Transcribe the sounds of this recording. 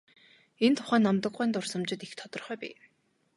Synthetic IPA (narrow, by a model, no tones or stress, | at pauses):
ent̪ʰʊ̥χæːnːamt̪ə̆kɢæːnt̪ʊrsə̆mt͡ɕɪ̆t̪ixt̪ʰɔt̪ɞ̆rχœːpḭː